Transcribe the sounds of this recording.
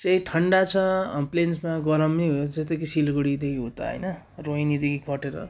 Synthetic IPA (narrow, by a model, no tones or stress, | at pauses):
t͡sʌjʈʰʌɳɖat͡sʰʌplensmaɡʌɾʌmniɦõd͡zʌst̪ekisilɡoɽid̪ekʰiɦõt̪a̰ɦʌ̰jnʌ | roinid̪ekʰikʰʌʈeɾʌ̰